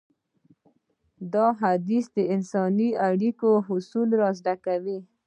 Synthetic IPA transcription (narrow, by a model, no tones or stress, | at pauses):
d̪ɑɦad̪isd̪əɪnsɑniaɽikoɦʊsulɾɑzɖakawi